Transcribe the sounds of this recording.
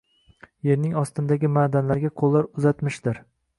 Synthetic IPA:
je̞ɾnɪŋɒst̪ɪnd̪aɡʲɪmaːd̪anlaɾɪɡʲaqʰolˠːaɾʊzat̪mɪʃd̪ɪɾ

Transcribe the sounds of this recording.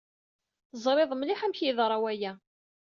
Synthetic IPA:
θəzˤɾˤeðˤmliħæmçjiðɾˤɑwæjæ

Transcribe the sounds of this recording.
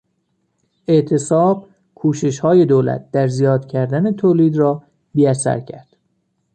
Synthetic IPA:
ʔe̞ʔt̪ʰe̞sɒːb̥ | kʰuːʃe̞ʃhɒːje̞d̪oːlæ̰t̪̚d̪̥æɾzijɒːd̪̥cʰæɾd̪ænet̪ʰoːliːd̪rɒː | biːæsæ̰ɾcʰæ̰ɾd̪̥

